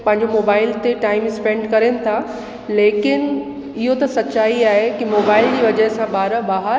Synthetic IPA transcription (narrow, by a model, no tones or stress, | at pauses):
pɐ̃ɦɪ̃ɲ̆d͡ʑomoːbaːɪlt̪eʈaːɪmspẽːɳɖkɐɾenɪ̆t̪ʰa | leːkɪn | ɪɦot̪ɐsɐt͡ɕaːiaːɦekimoːbaːɪld͡ʑiːʋɐd͡ʑəɦsãɓaːɾəbaːɦəɾ